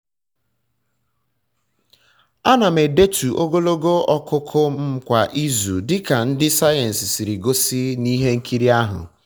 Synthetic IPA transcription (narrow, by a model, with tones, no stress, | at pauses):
a˦na˨me˨de˦tu˨ʔo˦ɡo˦lo˦ɡo˦ɔ˦kʊ˦kʰʊ˦m̩˦kʷa˨ʔi˦zu˨dɪ˦ka˨n̩˦dɪ˦sa˦je˨n̩˨sɪ˨si˨ɾi˨ɡo˦si˦ni˦ɦe˦ŋ̩˦kʰi˦ɾi˦a˦ɦʊ̰˨